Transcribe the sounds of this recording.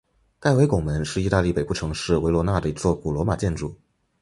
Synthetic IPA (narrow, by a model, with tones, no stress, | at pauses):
ka˥˩ɪwe˧˥ɪkʊ˨˩ŋmə˧˦˥nʂɻ̩˥˩i˥˧t̪a˥˧li˥˩pe˨˩ɪpu˥˩ʈ͡ʂʰɤ˧˥ŋʂɻ̩˥˩we˧˥lwɔ˧˥na˥˩d̪ə˩i˧˥t͡swɔ˥˧ku˥˩lwɔ˧˥ma˨˩t͡ɕjɛ˥˧nʈ͡ʂu˥˩˦